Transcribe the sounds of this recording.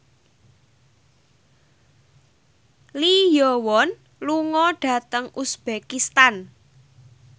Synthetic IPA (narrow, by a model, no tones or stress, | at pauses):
lijɔwɔn | luŋɔɖ̥ä̤t̪əŋusb̥ekist̪an